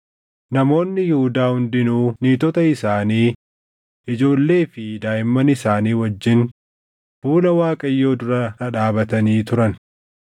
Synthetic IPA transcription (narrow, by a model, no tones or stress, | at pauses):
nɐmo̞ːnːɪjɪhʊd̪aːhʊnd̪ɪnuːniːt̪ɔt̪ɐɪsaːniː | ʔɪd͡ʒo̞ːlːe̞ːfɪd̪aːjɪmːɐnɪsaːniːwɐd͡ʒːɪn | fuːlɐwaːkʼɐjːo̞ːd̪ʊɾɐɐᶑaːbɐt̪ɐniːt̪ʊɾɐn